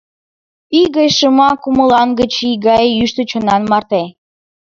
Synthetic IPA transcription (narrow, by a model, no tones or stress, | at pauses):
iɣəjʃəmɑkuməlɑnɡət͡ɕiɡɑjyʃt̪ət͡ɕonɑnmɑrt̪e